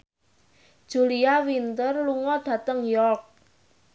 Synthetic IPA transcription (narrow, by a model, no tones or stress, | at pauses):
d̥ʒ̥uliawint̪ərluŋɔd̥ä̤t̪əŋjɔrk̚